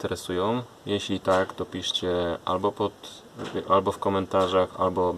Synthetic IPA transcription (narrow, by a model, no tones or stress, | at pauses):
t̪ɛɾɛsujɔ̃w̃ | jɛɕlʲit̪akt̪ɔpʲiʂt͡ɕɛʔa̰lbɔpɔt̪ | ʔalbɔfkɔmɛnt̪aʐaxa̰lbɔ